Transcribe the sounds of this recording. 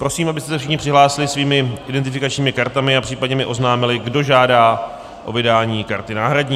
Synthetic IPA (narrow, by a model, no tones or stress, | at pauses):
pɾo̞siːmabɪst̪ɛsɛfʃ̬ɪxɲɪpr̥ɪɦlaːsɪlɪsviːmɪʔɪdɛnt̪̬ɪfɪkat͡ʃɲiːmɪkaɾt̪amɪapr̝̥iːpadɲɛmɪʔo̞znaːmɪlɪɡdo̞ʒaːdaː | ʔovɪdaːɲiːkaɾt̪ɪnaːɦɾadɲiː